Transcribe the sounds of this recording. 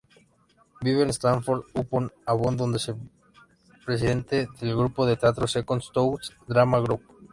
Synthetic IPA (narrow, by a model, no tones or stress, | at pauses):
biβenest̪aɱfoɾðuponaβond̪ond̪ese | pɾes̬iðe̞nt̪eðelɣɾupoðe̞t̪eat̪ɾosekonst̪owsd̪ɾamaɣɾup̚